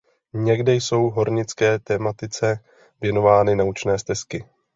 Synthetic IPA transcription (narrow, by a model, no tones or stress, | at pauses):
ɲɛɡdɛjso̞wɦo̞ɾɲɪt͡skɛːt̪ɛmat̪ɪt͡sɛ | vjɛno̞vaːnɪnaut͡ʃnɛːst̪ɛskɪ